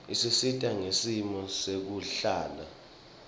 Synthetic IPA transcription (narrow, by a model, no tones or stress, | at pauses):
isisitʼaŋesimɔsek̬uɬaːla̰